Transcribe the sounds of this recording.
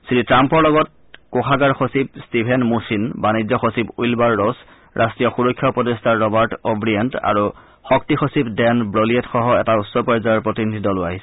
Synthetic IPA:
siɹitɹampɔɹlɔɡɔt̚ | koxʰaɡaɹxosib̚stipʰɛnmusinbanizɔxosibujlbaɹːɔs | ɹʔastɹijɔxuɹɔkʰːjɔpɹɔdestʰaɹɔbaɹtɔbɹiɛnta̰ɹu | xɔk̚tixosipdɛnbɹolietxɔɦɔɛtautsɔpɔjzaɔɹpɹotinidʱidɔlʊaɦisɛ̥

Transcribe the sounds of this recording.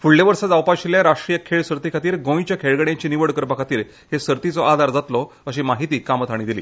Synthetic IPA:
fuɭleʋəɾsad͡zawpaɕiljaɾaʂʈɾijəkʰeɭsəɾt̪ikʰat̪iːɾɡõit͡ɕjakʰeɭɡəɽjãɲt͡ɕiːniʋəɽkəɾpakʰat̪iːɾ | hesəɾt̪it͡sɔad̪ʱaɾd͡zat̪lɔ | əɕiːmaɦit̪iːkamət̪ʰaɽ̃ĩd̪iliː

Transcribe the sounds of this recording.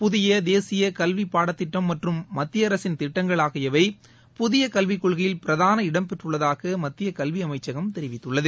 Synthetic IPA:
pʊðɪjɐd̪eːsɪjɐkɐlʋipːaːɽɐt̪ːɪʈːɐmːɐʈrɯmːɐt̪ːɪjɐɐɾɐsɪnt̪ɪʈːɐŋɡɐɭaːɣɪjɐʋɐɪ | pʊðɪjɐkɐlʋɪkːɔɭɣɐjɪlpɪɾɐðaːnɐɪɽɐmpɛʈrɯɭːɐðaːɣɐmɐt̪ːɪjɐkɐlʋiɐmɐɪt͡ʃːɐɣɐmt̪ɛɾɪʋɪt̪ːɯɭːɐðɯ

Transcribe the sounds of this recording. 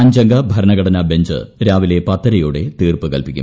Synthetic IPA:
ɐɲd͡ʑɐŋɡɐbʱɐɾɐnɐɡɐɽɐnɐbeɲd͡ʑɨ̰ɾaːʋile̞pɐt̪ːɐɾɐjuːɽe̞t̪iːrpɨkɐlpikʲːṵm

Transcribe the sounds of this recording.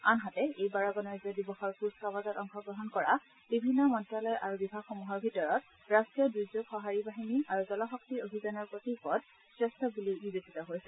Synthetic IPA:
anɦatɛejbaɹɔɡɔnɔjzɔdibɔxɔɹpuskawazɔtɔŋxɔɡɹɔɦɔnkɔɹa | b̥ibʱinːɔmɔntɹalɔjʔaɹubibʱaxɔmuɦɔɹbʱitɔɹɔt̚ | ɹastɹijɔdɹuzoɡxɔɦaɹibaɦiniaɹuzɔlɔxɔk̚tiobʱizanɔɹpotipɔd̚ | sɹɛstʰɔbulinibesitɔɦojsɛ

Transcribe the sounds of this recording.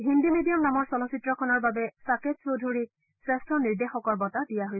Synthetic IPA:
ɦindimedijɔmnamɔɹsɔlɔsitɹɔkʰɔnɔɹbabɛsaket̚sowdʱuɹi | sɹɛstɹɔniɹdexɔkɔɹbɔtadijaɦoj

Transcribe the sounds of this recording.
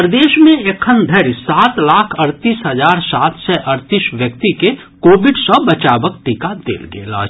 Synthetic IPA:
ɾd̪eːʃmẽekʰənd̪ʱəɾjsaːt̪laːkʰɐɾt̪iːsɦɐzaːɾsaːt̪ʰsɛʔɐɾt̪ɪʃʋjəkt̪ike | koːbɪɖsəbɐt͡ʃaːbəkʈikad̪ḛːlɡḛːla̰ː

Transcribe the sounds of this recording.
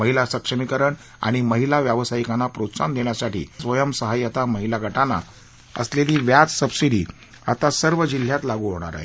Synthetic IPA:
məɦilasəkʂəmikəɾəɳ | a̰ɽ̃iməɦilaʋjaʋsaikanːapɾot̪sand̪eɳ̃jasaʈḭːsʋəjəmsəɦajat̪aməɦilaɡʱəʈanːa̰ | ə̰sleliːʋjat͡ssəbsid̪ḭː | a̰t̪asəɾʋəd͡ʑil̤ːjat̪laɡuɦoɽ̃a̰ɾa̰ɦe

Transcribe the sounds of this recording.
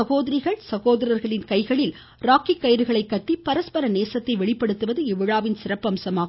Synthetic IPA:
ɐɣoːðɐɾɪɣɐɭsɐɣoːðɐɾɐɾɣɐɭɪnkɐɪɣɐɭɪl | ɾaːkikːɐjɾɯɣɐɭɐɪkːɐʈːipɐɾɐspɐɾɐneːsɐt̪ːɐɪʋɛɭɪpːɐɽɯt̪ːɯʋɐðɯɪʋɪɻaːʋɪnsɪɾɐpːɐmsɐmaːɣ

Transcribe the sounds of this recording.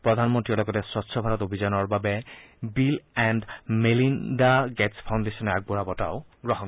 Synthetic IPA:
pɾɔd̪ʱanmɔnt̪ɾiɔlɔkɔt̪esɔtːʃʰɔbʱaɾɔt̪obʱid͡ʑanɔɾbabebilɛɳɖmelindaɡɛspʰawnɖesɔneaɡ̚boɾabɔtaoɡɾɔɦɔn

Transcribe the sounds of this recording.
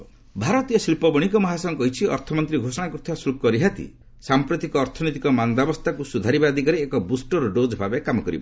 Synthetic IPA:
bʱaɾɔt̪ijɔsilpɔbɔɽ̃ikɔmaɦasɔŋkɔɦit͡ʃʰiɔ̰ɾt̪ʰɔmɔnt̪ɾiɡʱosɔɽ̃akut̪ʰiasulk̚kɔɾiɦat̪ḭ | sampɾɔt̪ikɔːɾt̪ʰɔnit̪ikɔmanb̪abɔst̪ʰakusud̪ʱaɾibad̪ʱikaɾeːkɔbusʈɔɾɔɖod͡ʒbʱabekamɔkɔɾḭba̰

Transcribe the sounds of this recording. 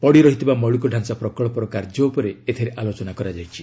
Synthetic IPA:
pɔɽiɾɔɦit̪ʰibamɔɭukɔɖʱansapɾɔkɔɭɔpɔɾɔkaɾd͡ʒɔupɔɾeet̪ʰiɾeʔalot͡ʃɔnakɔɾad͡ʒajt͡ʃʰi̥

